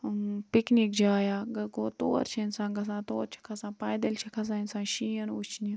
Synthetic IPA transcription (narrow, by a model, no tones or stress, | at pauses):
piknik̚d͡ʒaːjaːɡɐɡoːt̪o̰ːɾt͡ʃʰɐnsãːɡɐs̬ãːt̪oːɾt͡ʃʰi̥kʰɐsãːpaːjd̪ɐlt͡ʃʰikʰɐs̬ãːinʲsãːʃiːɐnut͡ʃʰni